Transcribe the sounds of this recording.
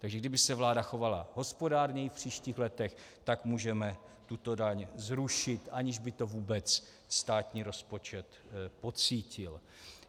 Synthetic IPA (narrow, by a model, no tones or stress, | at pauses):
t̪aɡʒɛɡdɪbɪsɛvlaːdaxo̞vala̰ɦo̞spo̞daːɾɲɛjɪfpr̝̥iːʃciːxlɛt̪ɛxt̪akmuːʒɛmɛ | t̪ut̪o̞daɲzɾuʃɪt̪ʔaɲɪʒbɪt̪o̞vuːbɛt͡s | st̪aːt̪ɲiːɾo̞spo̞t͡ʃɛt̪ | po̞t͡siːcɪl